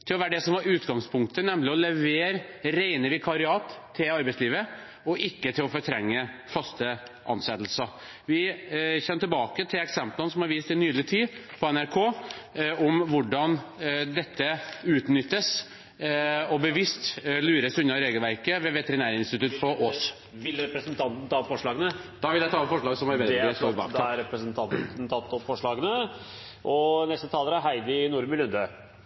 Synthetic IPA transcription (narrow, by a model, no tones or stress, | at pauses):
t̪ʰɪlɔʋæːəɖɛsɔmʋɑɾʉːt̪ɡɑŋspʰʊŋk̚t̪ənɛmlɪɔlɛʋeːɾɾeɪnəʋɪkʰɑɾɪɑːt̪ʰːɪlɑɾbɛɪsliːʋə | ɔʔɪkːət̪ʰɪlɔfɔɾt̪ʰɾɛŋːəfɑst̪ə | ʔɑ̰nsɛt̪l̩sɑ | ʋɪçɛnːət̪ɪlbɑːkət̪ʰɪlɛksɛmplənəsɔmhɑɾʋiːst̪ɪnyːlɪət̪ʰiːpʰɔɛnæɾkʰoː | ɔmʋʊɖɑnd̪ɛt̪ːəʉːt̪nʏt̪ːəs | ɔbəʋɪst̪lʉːɾəsʉnːɑɾeːɡəlʋæɾkəʋɛʋɛt̪əɾɪnæːɾəɪnst̪ɪt̪ʉt̪ːfɔɾɔs | ʋɪlɾɛpɾəsənt̪ʰɑnt̪n̩t̪ʰɑːfɔʂɭɑːɡənəd̪̥ɑːʋɪld̪æɪt̪ɑːɔpfɔʂɭɑːɡsɔmæɾʋɛlsoːɾbɑ̰æɾɛpɾəsənt̪ʰɑnnt̪ʰɑt̪ːɔfɔʂɭɑːɡənə | ʔɔnɛst̪ət̪ʰɑːləɾæɦæɪd̪ənuːɾmʉlʉnd̪ø